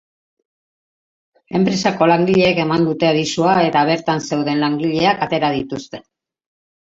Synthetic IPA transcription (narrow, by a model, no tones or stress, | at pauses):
e̞mpɾe̞sako̞laŋɡiʎe̞ːke̞mand̪ut̪e̞aðisuae̞t̪aβe̞ɾt̪anse̞wðe̞nlaŋɡiʎe̞akat̪e̞ɾaðit̪ust̪e̞̥